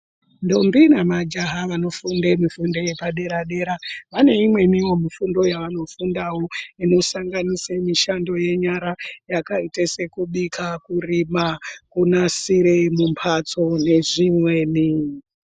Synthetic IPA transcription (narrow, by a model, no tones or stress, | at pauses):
ndo̞mbinamad͡ʒaɦaʋano̞fundemifundo̞je̞paɗe̞ɾaɗeɾaʋane̞imwe̞niwo̞mifundo̞jaʋano̞fundawo̞ino̞saŋɡanisemiʃando̞je̞ɲaɾajakaitese̞kuɓikʰakurimakunasiɾemumpʰat͡so̞ne̞ʐimwe̞ːni